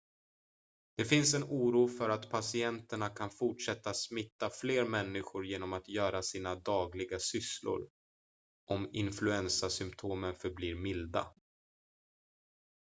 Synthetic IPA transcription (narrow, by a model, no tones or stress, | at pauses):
d̪̥ɛfɪnsɛnuːɾuːfœɾat̪pʰasɪɛnt̪əɳakʰanfʊʈʂɛt̪ːasmɪt̪ːafleːɾmɛnːɪɧʊɾjeːnɔmat̪jœːɾasiːnad̪ɑːɡlɪɡasʏslʊ̰ɾ | ʔɔmɪnflɵɛnsasʏmpt̪ʰoːmənfœɾbliːɾmɪld̪a̰